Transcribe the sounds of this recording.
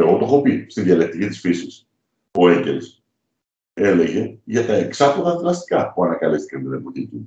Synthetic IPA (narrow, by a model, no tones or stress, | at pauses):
e̞ɣo̞t̪oxo̞pist̪inðiɐlek̚t̪icit̪isfisis | o̞e̞ɲɟels | e̞le̞ʝe̞ʝɐt̪ɐe̞ksɐpoðɐðlɐst̪i̥kɐpuɐnɐkɐlist̪i̥cɐnt̪iðimpot̪ici